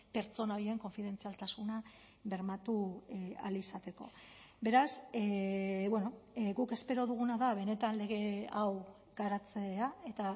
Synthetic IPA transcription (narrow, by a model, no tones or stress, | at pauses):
pe̞ɾt͡so̞naoɾieŋko̞ɱfiðe̞nt͡sialt̪asuna | βe̞ɾmat̪ua̰lisat̪e̞ko̞̰ | be̞ɾaseβwe̞no̞ɡuke̞spe̞ɾo̞ð̞uɣ̞unaðaβe̞ne̞t̪anle̞ɣ̞e̞aw | ɡ̥aɾat͡seae̞t̪a